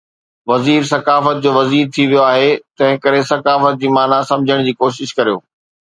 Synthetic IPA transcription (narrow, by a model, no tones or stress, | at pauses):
ʋɐziːɾsɐkaːfət̪̚d͡ʑoːʋɐziːɾt̪ʰiʋijoaːɦet̪ɐ̃ɦɪ̃kɐɾesɐkaːfət̪̚d͡ʑiːmaːnasɐ̃md͡ʑʱəɽ̃d͡ʑiːkoːʃ̬ɪʃkɐɾijo̰ː